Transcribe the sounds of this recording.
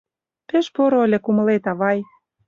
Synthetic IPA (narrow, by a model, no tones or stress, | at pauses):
pĕʃpoɾoolʲĕkumə̆let̪ɑβɑj